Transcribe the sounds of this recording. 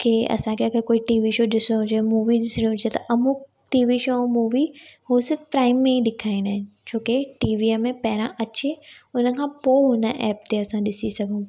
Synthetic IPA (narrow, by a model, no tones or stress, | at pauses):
keɐ̰sãkʰeɐkʰekoːiʈiːʋiʃoːɗɪsɽ̃ĩɦʊd͡ʑemuːʋiɗɪsɪɽ̃ĩɦʊd͡ʑet̪ɐʔɐmũ | ʈiːʋiʃomuːʋiɦosɪɾfpɾaːɪmːẽɦiɗɪkʰaːɪ̃ɽ̃aːɦɪ̃nɪ̆t͡ɕʰoːkeʈiːʋiəmẽpɐɦɪɾãʔɐt͡ɕeʊnə̆kʰãːpoːɦʊnəʔɛːp̚t̪eɐsãɗɪsisɐɡʱũ